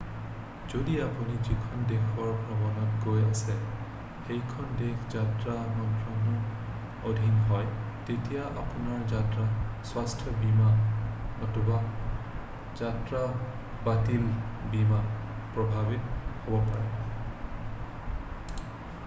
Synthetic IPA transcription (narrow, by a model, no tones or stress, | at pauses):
zodiapunizikʰɔndexʰɔɹbʱɔbɔnɔtɡojasɛ | xejkʰɔndexʰzatɹamɔntɹɔnɔ | odʱinɦɔj | tetijaʔa̰punaɹzatɹaswastʰɔbimanɔtuba | z̥atɹa | batilbimanpɹɔbʱabithobɔpaɹɛ